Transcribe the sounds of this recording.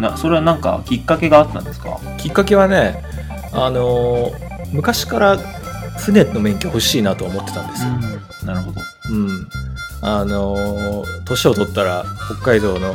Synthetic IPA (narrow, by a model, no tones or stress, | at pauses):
naso̞ɾe̞βanãŋka̰kʲikːake̞ɡaːt̪ːã̰nd̪e̞sɨ̥ka̰ | kʲikːake̞βane̞ | ano̞ | mɯ̟kaɕi̥kaɾaɸɯ̟neno̞mẽ̞ŋkʲoho̞ɕiːnat̪o̞ːmo̞t̪ːe̞̥t̪ã̰nd̪esɨo | naɾɯ̟ɦo̞d̪o̞̰ | ɯ̟̃ɴ | ano̞ | t̪o̞ɕio̞t̪o̞t̪ːaɾaho̞kːaid̪o̞ːno̞